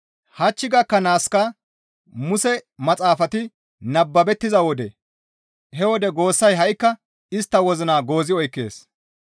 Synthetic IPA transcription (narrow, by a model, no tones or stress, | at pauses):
hɐt͡ʃːɪɡɐkːɐnaːskɐ | mʊsɛmɐt͡sʼaːfɐt̪ɪ | nɐbːɐbɛt̪ːɪzɐwɔd̪ɛ | hɛwɔd̪ɛɡo̞ːsːɐjɦɐʔɪkːɐ | ɪst̪ːɐwɔzɪnaːɡo̞ːzɪɔjkːe̞̰ːs